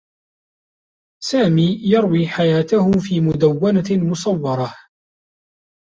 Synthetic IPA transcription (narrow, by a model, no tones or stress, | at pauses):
saːmiːjɑɾˤwiːħajaːt̪ahʊfiːmʊd̪awːanamʊsˤɑwːɑɾˤɑh